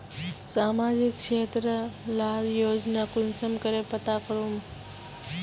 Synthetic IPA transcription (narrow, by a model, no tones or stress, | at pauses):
saːmaːd͡ʒɪkʃeːt̪ɾəlaːljoːd͡ʒnakʊnsəmkəɾepət̪akəɾum